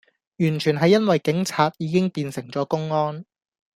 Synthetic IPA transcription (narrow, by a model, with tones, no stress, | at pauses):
jyː˨˩nt͡ʃʰyː˨˩nɦɐ˨jːɐ˥nwɐ˨jkɪ˨˥ŋt͡sʰaː˧t̚jiː˨˧kɪ˥ŋpiː˧nsɪ˨˩ŋt͡sɔː˨˥kʊ˥ŋɔː˥n